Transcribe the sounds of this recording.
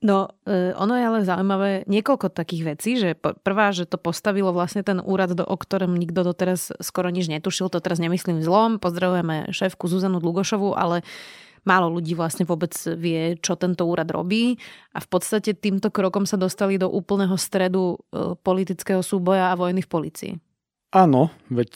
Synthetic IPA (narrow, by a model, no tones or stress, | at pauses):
nɔɔ̰nɔjɛalɛzaujmaʋɛːɲɪɛkɔlkɔt̪akiːɣʋɛt͡siːʒɛppr̩ʋaːʒɛt̪ɔpɔst̪aʋilɔʋlasɲɛt̪ɛnṵːɾad̪d̪ɔ̰ʔɔkt̪ɔɾɛmɲiɡd̪ɔd̪ɔt̪ɛɾasskɔɾɔɲid͡ʒɲɛt̪uʃiltd̪ɔt̪ɛɾazɲɛmisliːmzlɔmpɔzd̪ɾaʋujɛmɛ̰ʃɛːfkuzuzanud̪lˠuɡɔʃɔʋuʔa̰lɛ | maːlɔluɟiːʋlasɲɛʋʊɔbɛd͡zʋɪɛt͡ʃɔt̪ɛnt̪ɔuːɾad̪ɾɔ̰biːʔa̰fpɔt̪st̪acɛt̪iːmt̪ɔkɾɔkɔmsad̪ɔst̪alid̪ɔʔuːpl̩ˠnɛɦɔst̪ɾɛd̪upɔlit̪it͡skɛɦɔsuːbɔjaːʋɔjnifpɔliːt͡sḭḭ | ʔanɔʋɛc